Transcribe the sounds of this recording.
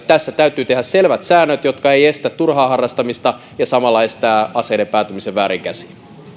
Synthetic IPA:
t̪æsːæt̪æyt̪ˑyːt̪ehæsselʋæt̪sæːnːøt̪jot̪kɑeijest̪æt̪ːurhɑːhɑrːɑst̪ɑmist̪ɑ | jɑsɑmɑlːɑest̪æːɑseːnepæːt̪ymiseʋʋæːɾiŋkæsi̥n

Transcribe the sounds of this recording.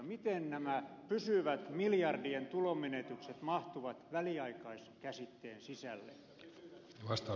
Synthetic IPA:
mit̪ennæmæpysyʋæt̪miljɑrdient̪ulomenet̪ykset̪mɑht̪uʋɑt̪ʋæliɑikɑiskæsit̪ːeːnsisælːḛ | ʋɑst̪ɑ

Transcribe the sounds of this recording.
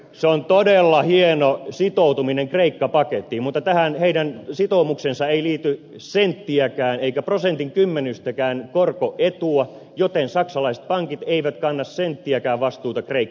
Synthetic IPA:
seont̪odelːɑhienosit̪out̪umineŋkreikːɑpɑket̪ːimut̪ːɑt̪æhænheidænsit̪omuksensɑeiliːt̪y | sent̪ːiækæːneikæprosent̪iŋkymːenyst̪ækæːnkorkoʔet̪uɑ | jot̪ensɑksɑlɑise̥t̪̚pɑŋkit̪eiʋæt̪kɑnːɑssent̪ːiækæːʋʋɑst̪uːt̪ɑkreikː

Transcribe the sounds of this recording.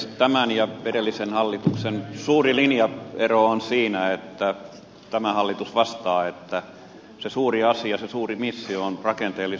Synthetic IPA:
t̪æmænjɑʋerelːisenhɑlːit̪uksensuːrilinjɑeroonsiːnæet̪ːæ | t̪æmæhɑlːit̪usʋɑst̪ɑːet̪ːæ | sesuːriɑsiɑsesuːrimisːioonrɑkent̪eːlːi

